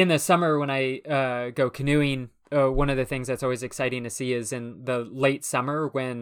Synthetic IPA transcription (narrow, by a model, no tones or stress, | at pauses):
ɨ̃nðɨsʌmə˞wə̃ñaɪʌɡoʊkʰɨnʉɪ̃n | ʌwʌ̃nʌvðɨθɪ̃ŋzðɨtsɔlˠwizɨksaɪɾɪ̃ŋtʰɨsiɪzɨ̃nðəleɪtsʌmə˞wɨ̃n